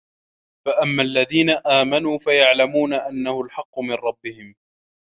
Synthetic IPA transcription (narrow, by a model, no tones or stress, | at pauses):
faʔamːalːaðiːnaʔaːmanuːfajaʕlamuːnaʔanːahʊlħɑqːʊmɪnɾˤɑbːɪhɪm